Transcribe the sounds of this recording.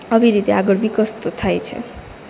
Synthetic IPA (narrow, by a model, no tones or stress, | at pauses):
ʌbiɾit̪eaɡɔɽbikɔst̪ot̪ʰajt͡ʃʰḛ